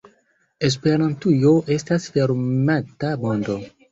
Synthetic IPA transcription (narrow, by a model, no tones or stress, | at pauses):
es̬pe̞ɾantujoʔe̞stasfeɾmatabondo̞